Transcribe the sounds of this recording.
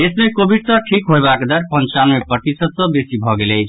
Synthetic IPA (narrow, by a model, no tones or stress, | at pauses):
esmekobʱiɖsʌ̃ʈʰikɦoebakd̪aɾpənt͡ʃanmepɾət̪isəd̪̚sʌ̃besibʱɔɡelejt͡ʃʰ